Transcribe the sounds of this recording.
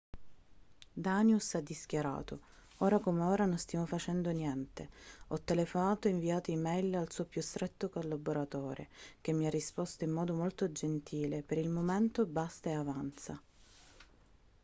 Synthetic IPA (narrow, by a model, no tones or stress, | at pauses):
d̪anjusad̪ːisk̟jaɾa̰ːt̪o | oːɾakomeoːɾanonst̪jaːmofat͡ʃɛnd̪onjɛnt̪eɔt̪ːelefonaːt̪oiɱviaːt̪oimɛjlalsuːopjust̪ɾʔɛt̪ːokolːaboɾat̪ɔːɾḛk̟emːiarːispost̪oimːɔːd̪omolt̪od͡ʒent̪ʰiːlepeɾilmoment̪obast̪aeavant̪sa